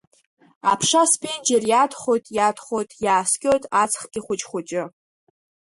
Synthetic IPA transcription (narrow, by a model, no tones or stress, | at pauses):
a̰pʰʂaspʰend͡ʒerjadχo̞jtʼjadʰχʷo̞jtʼjaːskʲʼojtʼat͡sʰχɡʲɪχʷʊt͡ʃʼχʷʊt͡ʃʼɪ